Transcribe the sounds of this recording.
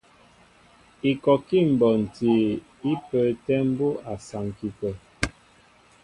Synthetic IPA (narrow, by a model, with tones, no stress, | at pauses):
i˨kɔ˨ki˦˨m̩˨bɔ˨n̩˨te˨ | i˦pə˨tɛ˦m̩˦bo˦a˨sa˨ŋki˨pə˨